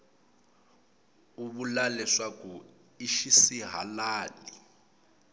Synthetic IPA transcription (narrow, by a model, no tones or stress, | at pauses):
uβulalɛʂaku | iʃisiɦalaːli